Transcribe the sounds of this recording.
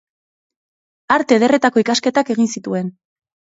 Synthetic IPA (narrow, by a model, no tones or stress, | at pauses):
aɾt̪e̞ð̞e̞re̞t̪ako̞ikaske̞t̪ake̞ɣinsit̪ue̞n